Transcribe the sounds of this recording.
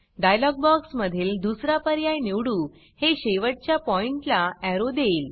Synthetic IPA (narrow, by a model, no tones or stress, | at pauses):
ɖajlɔɡ̚bɔksməd̪ʱiːld̪usɾapəɾjajniwɽuː | heɕeʋəʈ̚t͡ɕjapɔiɳʈlaɛɾod̪eil